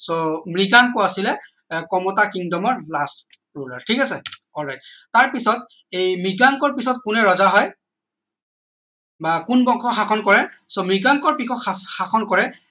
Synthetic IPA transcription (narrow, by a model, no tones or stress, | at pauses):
somɹiɡaŋkɔasilɛ | kɔmɔtakindɔmɔɹlast | ɹulɔ̰ɹtʰikasɛɔlɹajt̚taɹpisɔt | ejmiɡaŋkɔɹpisɔt̚kunɛɹɔzaɦɔj | bakunbɔŋkʰɔxaxʰɔnkɔɹɛsɔmɹiɡaŋkɔɹpikʰɔkxaxʰɔnkɔɹɛ